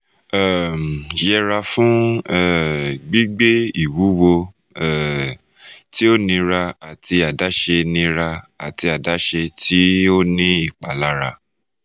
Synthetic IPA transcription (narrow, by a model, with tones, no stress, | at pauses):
ɛ˦˨m˨jɛ˧ɾa˧fũ˦ɛ˦˨ɡ͡bi˦ɡ͡be˦i˦˨wu˨˦wo˧ | ɛ˨ | tʰi˦o˦nĩ˧ɾa˧a˨tʰi˧a˨da˨˦ʃe˧nĩ˧ɾa˧a˨ti˧a˨da˨˦ʃe˧tʰi˦o˦nĩ˦i˦˨k͡pa˨˦la˨˦ɾa˧